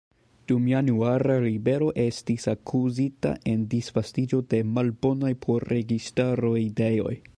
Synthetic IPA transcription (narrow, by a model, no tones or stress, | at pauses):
d̥umjanuaɾalibe̞ɾo̞ʔe̞stisakʰuzita̰ʔe̞ndisfastid͡ʒo̞de̞malbo̞najpʰoɾɾeɡistaɾo̞ide̞jo̞̰j